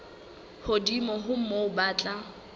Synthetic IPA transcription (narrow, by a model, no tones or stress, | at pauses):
hodimɔɦʊm̩moʊbaːt͡ɬʼa